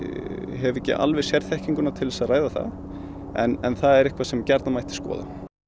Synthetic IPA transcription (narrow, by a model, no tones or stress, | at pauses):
ɦɛvɛcːɪ̰ʔa̰lvɛðsjɛɾθɛhciŋkʏnat̪ʰɪlvɛsaðraːjðaθa̰ð | ɛ̰nɛnθaðɛɾɪhkvasɛmcɛɾt̪namajht̪ɪ̥skɔ̰ːða̰